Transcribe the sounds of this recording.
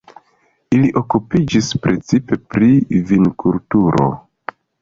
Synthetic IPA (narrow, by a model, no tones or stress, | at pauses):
iliʔo̞kupid͡ʒispɾe̞t͡sipe̞pɾivinkultuɾʔo̞̰